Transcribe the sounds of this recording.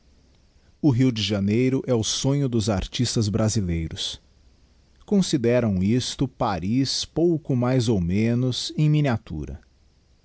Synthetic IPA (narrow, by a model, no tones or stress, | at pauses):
ʊɦiwd͡ʒɪʒanejɾʊʔɛʊsõɲʊd̪ʊzaɾt͡ʃist̪ɐzbɾazilejɾʊs | kõsid̪ɛɾɐ̃w̃ist̪ʊpaɾispowkʊmajzowmẽnʊzẽj̃miniat̪ṵɾɐ̰